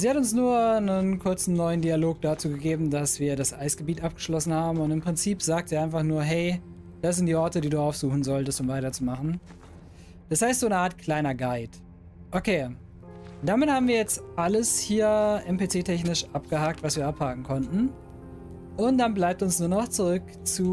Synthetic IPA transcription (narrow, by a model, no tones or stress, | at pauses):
ziːhatʊnsnuːɐnənkʰʊɐt͡sn̩nɔʏəndialoːk̚d̥at͡suːɡəɡeːbm̩dasv̥iːɐɾasʔaɪsɡ̥əbiːtʔap̚ɡ̥ə̥ʃlɔsn̩haːbm̩ʊntɪmpʁ̥ɪnt͡siːpz̥aːk̚tz̥iːaɪnfaχnuːɐɦɛɪ | d̥as̬z̥ɪntd̥iːʔɔɐtədiːduːaʊfz̥uːxn̩zɔltəstʊmvaɪtɐt͡sumaχn̩ | d̥ashaɪstz̥oːnəaːɐtkʰl̥aɪnɐɡaɪt | ʔokʰeː | d̥amɪthaːbm̩viːɐjɛt͡stʔaləshiːɐʔɛmpet͡seːtʰɛçnɪʃʔap̚ɡ̥əhaːk̚tv̥asv̥iːɐʔaphaːkŋ̩kʰɔntn̩ | ʔʊnt̚d̥anblaɪp̚tʊnsnuːɐnɔχt͡suʁʏk | t͡suː